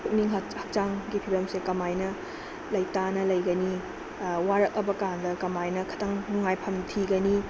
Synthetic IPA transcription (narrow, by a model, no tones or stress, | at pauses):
pʰuk̚niŋɦhɐk̚t͡ʃaŋɡipʰiɾɐmsekɐmajnɐ | lɐjtanɐlɐjɡɐni | waɾɐk̚ɐbɐkandɐkɐmajnɐkʰɐ̥t̪ʰɐŋnuŋajpʰɐmtʰiɡɐni